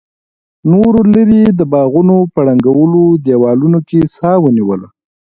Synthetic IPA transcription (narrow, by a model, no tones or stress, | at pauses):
noɾoləɾid̪əbɑɣunopəɽaŋɡawəlod̪jawɑlunokesɑwəniwəla